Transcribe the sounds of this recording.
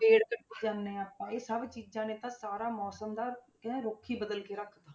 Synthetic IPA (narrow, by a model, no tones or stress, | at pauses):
peːɽkəʈːeːd͡ʒãːnːẽːaːpãːeːsəbt͡ʃiːd͡ʒãːnẽːt̪ãːsaːɾaːmɔːsəmd̪ãː | ɾoːkʰiːbəd̪əlkeːɾəkʰd̪aː